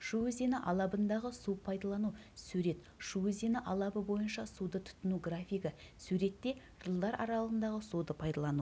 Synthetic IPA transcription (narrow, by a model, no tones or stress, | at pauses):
ʃuwzenɪʔɑlˠɑbənd̪ɑʁəsupʰɑjd̪ɑlˠɑnusʉɾe̞t̪ | ʃuezenɪʔɑlˠɑbəbo̞jənʃɑsud̪ət̪ʰʊ̥t̪ːənuɡrafijɡʲɪsʉɾe̞t̪ːe̞ | ʒ̥əlˠd̪ɑɾʔɑ̰ɾɑlˠəʁənd̪ɑʁəsud̪əpʰɑjd̪ɑlˠɑnu